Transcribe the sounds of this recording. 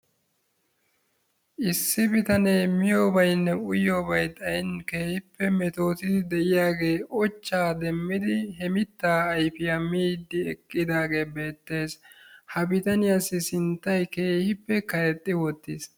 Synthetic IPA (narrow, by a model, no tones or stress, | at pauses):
ʔɪsːɪbɪt̪ɐneːmɪjoːbɐjnːɛʊjo̞ːbɐjt̪ʼɐjnke̞ːhɪpːɛmɛt̪o̞ːt̪ɪd̪ɛʔɪjaːɡe̞ːʔɔt͡ʃːaːd̪ɛmːɪd̪ɪɦɛmɪt̪ːaːɐjfɪjɐmiːd̪ːɪɛkʼːɪd̪aːɡe̞ːbe̞ːt̪ːe̞ːshɐbɪt̪ɐnɪjasɪsɪnt̪ːɐjke̞ːhɪpːɛkɐjɛt̪ʼːɪwɔt̪ːɪs